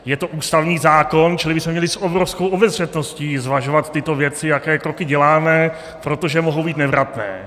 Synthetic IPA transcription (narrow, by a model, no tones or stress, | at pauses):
jɛt̪o̞ʔuːst̪avɲiːzaːko̞nt͡ʃɪlɪbɪsmɛmɲɛlɪsʔobɾofskowʔobɛzr̝ɛt̪no̞sciːzvaʒo̞vat̪ːɪt̪o̞vjɛt͡sɪjakɛːkɾokɪɟɛlaːmɛ | pɾo̞t̪o̞ʒɛmoɦowbiːt̪nɛvɾat̪nɛ̰ː